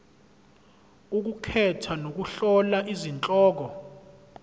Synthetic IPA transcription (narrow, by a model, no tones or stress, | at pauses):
uk̬ukʰɛtʰanok̬uɬɔlaʔizint͡ɬʼɔːk̬ɔ